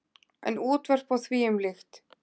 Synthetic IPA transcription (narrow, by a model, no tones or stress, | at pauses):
ɛ̰nuːt̪vɛr̥pawθviːʏmlɪxt̪